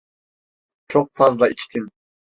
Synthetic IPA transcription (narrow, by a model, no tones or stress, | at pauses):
t͡ʃʰoq̚fazd̪ɑʔit͡ʃt̪ʰim